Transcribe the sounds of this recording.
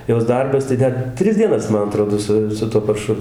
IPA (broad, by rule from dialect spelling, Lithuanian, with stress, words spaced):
ˈjoːs ˈdɐrbɐs tɐɪ ˈdɐr ˈtʲrʲɪs dʲiɛˈnɐs ˈmɐn ɐˈtroːdoː ˈsʊ sʊ ˈtuɔ pɐrˈʃʊ